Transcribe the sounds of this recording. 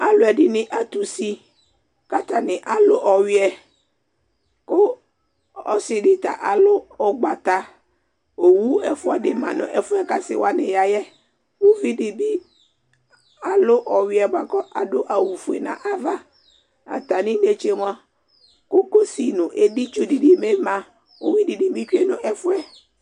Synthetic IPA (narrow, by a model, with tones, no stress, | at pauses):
a˨lʊ˨ɛ˨dɪ˦nɪ̃˦ʔa˨t̪ʊ˨si˦ | ka˦t̪a˨nɪ̃˨ʔa˨lʊ˦ʔɔ˨wɪ˦ɛ˨ | kʊ˦ | ɔ˦sɪ˨dɪ˦t̪a̰˨ʔa˨lʊ˦ɔ˨ɡ͡ba˨t̪a˨ | o˨wu˦ɛ˨fʊ˦a˨dɪ˨mã̰˨nʊ̰̃˨ʔɛ˨fʊ˦ɛ˦ka˨sɪ̰˨wa˦nɪ̃˨ja˨jɛ˦ | o˦vi˦di˨bi˦ | a˨lʊ˦ʔɔ˨wɪ˨˦ɛ˨ɡ͡ba˨kɔ˦ʔa̰˨dʊ˦ʔa˨wu˨fu˨ḛ˨nã̰˨ʔa˨va˦ | a̰˨t̪a˨nĩ˦de˦t͡ʃe˦m˦a˦ | kʊ˦ko˦si˨nʊ̃˨ʔe˦di˦t͡ʃʊ˦di˨di˨me˦mã˨ | o˦wi˦di˨di˨bi˦t͡ʃe˦nʊ̃˦ʔɛ˦fʊ˦ɛ˦